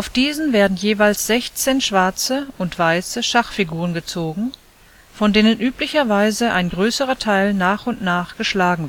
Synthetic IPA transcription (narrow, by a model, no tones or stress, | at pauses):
ʔaʊfd̥iːzn̩veːɐdn̩jeːvaɪlsz̥ɛçt͡seːnʃv̥aɐt͡səʊntv̥aɪsəʃaχfiɡuːʁ̞ənɡət͡soːɡŋ̩ | fɔndeːnənʔyːplɪçɐvaɪzəʔaɪnɡʁøːsəʁɐtʰaɪlnaːχʊntnaːχɡ̥əʃlaːɡŋ̩